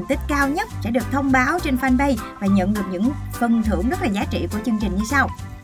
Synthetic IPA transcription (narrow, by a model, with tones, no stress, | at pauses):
nt̪ï˦˥k̟̚kaː˧wɲə˦˥t̚sɛ̰˧˥ɗɨ˨˩ək̚t̪ʰə˧wŋ͡mɓaː˨˦wt͡ɕe˧nfaː˧nɓə˧jvaː˨˩ɲə̰˧˨nɗɨ˨˩ək̚ɲɨ̰˧˥ŋfə˨˩nt̪ʰɨ˧˩əŋzə˦˥t̚laː˨˩zaː˨˦t͡ɕḭ˧˨ku˧˩ət͡ɕɨ˧əŋt͡ɕï˨˩ŋ̟ɲɨ˧sa˧w